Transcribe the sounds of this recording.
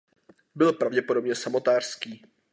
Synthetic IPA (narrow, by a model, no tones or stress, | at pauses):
bɪlpɾavɟɛpodo̞bɲɛsamo̞t̪aːr̥skiː